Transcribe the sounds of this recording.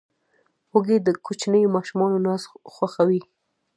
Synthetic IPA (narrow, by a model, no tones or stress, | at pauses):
hoɡed̪əkot͡ʃnəjomɑʃumɑnonɑsxwaxawi